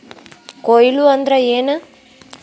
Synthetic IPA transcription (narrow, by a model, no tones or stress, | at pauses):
kojiluɐnd̪ɾeeːnɐ